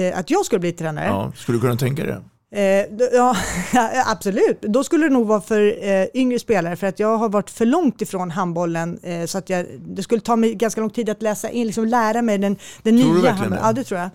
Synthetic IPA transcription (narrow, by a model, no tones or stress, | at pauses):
ʔa̰t̪jɑːɡskɵləbliːt̪ʰɾɛːna̰ɾə̰skɵld̪kɵnat̪ʰɛŋka̰d̪ɛ̰ | jɑː | ʔabsɔlʉ̟ːt̪d̪ɔskɵlːəd̪ɛnuːɡvɑːafœɾʏŋɾəspeːlaɾəfœɾat̪jɑːɡɦaɾvaʈːfœɭɔŋt̪ɪfɾoːnɦanbɔlːənsɔat̪jɑːd̪ɛskɵlːət̪ʰɑːmɛjɡanskalɔŋt̪ʰiːd̪at̪lɛːsaʔɪnlɪksɔmlæːɾamɛjd̪ɛnd̪̥ɛnːyahaɑːd̪ɛt̪ʰɾuːja